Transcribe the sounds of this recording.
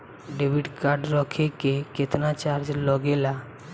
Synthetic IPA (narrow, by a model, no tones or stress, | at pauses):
ɖebiɖkaɾɖɾɔkʰekeket̪nat͡ʃaɾd͡ʒlɔɡela